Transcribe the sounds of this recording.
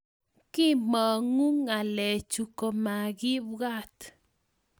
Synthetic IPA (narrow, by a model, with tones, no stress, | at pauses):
kɪ˦mɔ˨ŋu˦ŋa˨lɛ˨t͡ʃu˨ko˨ma˨ɡɪ˦bɡa˦t̪